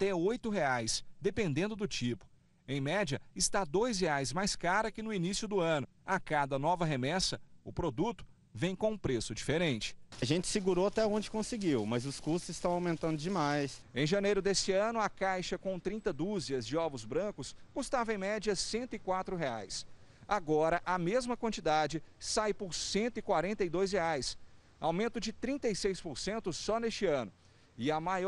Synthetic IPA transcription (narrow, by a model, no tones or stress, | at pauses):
t̪ɛojt̪ʊɦeajsd̪epẽnd̪ẽnd̪ʊd̪ʊt͡ʃipʊ̥ | ẽj̃mɛd͡ʒiɐɪst̪ad̪ojsɦeajzmajskaɾɐkɪnʊinisjʊd̪ʊɐ̃nʊ | akad̪ɐnɔvɐɦemɛsɐʊpɾod̪ut̪ʊ̥ | vẽj̃kõũpɾesʊd͡ʒifeɾẽnt͡ʃɪ̥ɐʒẽnt͡ʃɪ̥sɪɡuɾoat̪ɛõd͡ʒɪkõsɪɡiwmɐzʊskust̪ʊzɪst̪ɐ̃w̃awmẽnt̪ɐ̃nd̪ʊd͡ʒɪmajsẽj̃ʒɐnejɾʊd̪esɪɐ̃nʊɐkajʃɐkõt̪ɾĩnt̪ɐd̪uziɐzd͡ʒɪɔvʊzbɾɐ̃kʊskust̪avɐẽj̃mɛd͡ʒɐsẽnt̪ʊɪkwat̪ɾʊɦeajsaɡɔɾɐʔɐmezmɐkwɐ̃nt͡ʃid̪ad͡ʒɪsajpʊɾsẽnt̪ʊɪkwaɾẽnt̪ɐjd̪ojs̬heajs | a̰wmẽnt̪ʊd͡ʒɪt̪ɾĩnt̪ejsejspʊɾsẽnt̪ʊsɔnest͡ʃɪɐ̃nʊ | ɪɐmaj